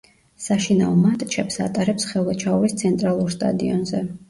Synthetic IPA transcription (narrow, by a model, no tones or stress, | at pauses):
saʃinaɔmat̪ʼt͡ʃʰɛpsa̰t̪ʼaɾɛpsχɛlˠvat͡ʃʰaɔɾist̪sʰɛnt̪ʼɾalˠuɾst̪ʼa̰d̪iɔnzɛ